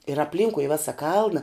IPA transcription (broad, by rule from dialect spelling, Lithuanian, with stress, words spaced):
ɪr ɐpʲˈlʲiːŋkʊɪ ɪ ˈʋʲæːsɐ ˈkɐlˠnɐ